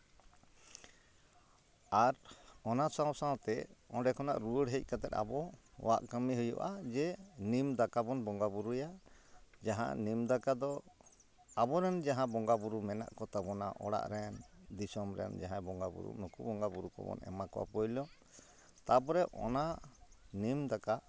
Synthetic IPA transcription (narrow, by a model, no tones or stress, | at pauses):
aɾɔnasawsãwt̪ɛɔ̃ɖɛkʰɔna̰ʔɾuəɽɦəc̚ˀkat̪ɛt̪a̰bɔ | wa̰ʔkəmiɦujɔ̰ʔad͡ʒɛnimd̪akabɔnbɔŋɡabuɾuja | d͡ʒaɦã̰nimd̪akad̪ɔ | abɔɾɛnd͡ʒaɦãbɔŋɡabuɾumɛna̰ʔkɔt̪abɔna̰ʔɔɽa̰ʔɾɛnd̪isɔmɾɛ̰nd͡ʒaɦãbɔŋɡabṵɾṵnukubɔŋɡabuɾukɔ̰bɔ̰nɛ̰makɔʔa̰pɔjlɔ | t̪abɔɾɛʔɔ̰na | nimd̪aka